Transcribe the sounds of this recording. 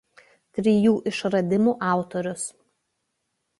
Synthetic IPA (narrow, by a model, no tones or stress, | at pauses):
t̪ʲɾʲijuːʔɪʃɾɐd̪ʲɪmuːʔɑˑʊt̪ɔɾʲʊs